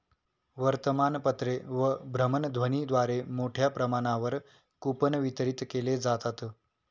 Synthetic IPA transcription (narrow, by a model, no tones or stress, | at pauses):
ʋəɾt̪əmanpət̪ɾeʋəbʱɾəmənd̪ʱʋənid̪ʋaɾemoʈʰjapɾəmaɽ̃aʋəɾ | kupənʋit̪əɾit̪keled͡zat̪at̪